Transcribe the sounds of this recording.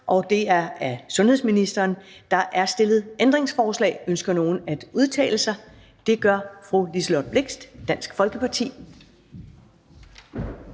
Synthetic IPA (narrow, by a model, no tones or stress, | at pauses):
ʔɒ̽d̥e̝æɐæsɔ̽nhe̝ð̰ˠsminisd̥ɐːnd̥ɑ̈ʔæɐsd̥e̝lð̩ˠend̥ʁe̝ŋsfɒːslɛ̰ːɪønsɡ̥ɐno̝ːn̩æd̥uð̞ˠt͡sʰɛ̰ːləsɑ̈ɪ | d̥e̝ɡ̥ɶɐfʁulislɒd̚b̥le̝ɡ̥sd̥d̥æn̰sɡ̥fɒ̽lɡ̥əpʰɑ̈t͡sʰḭː